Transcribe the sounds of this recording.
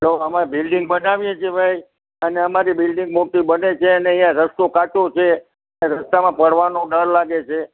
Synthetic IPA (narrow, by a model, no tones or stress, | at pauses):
ɦəloəmãbɪlɖɪŋɡ̚bənaʋjẽt͡ʃʰebʱaj | əneəmaɾibɪlɖɪŋɡmoʈibənet͡ʃʰeəneĩjãɾəst̪okat͡ʃot͡ʃʰe | əneɾəst̪amãpəɽʋanõɖəɾlaɡet͡ʃʰe